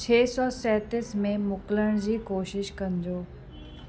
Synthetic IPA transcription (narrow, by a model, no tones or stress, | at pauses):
t͡ɕʰeːsɔːsɛːt̪ɪsmẽmʊkləɽ̃d͡ʑiːkoːʃɪʃkɐ̃nd͡ʑoː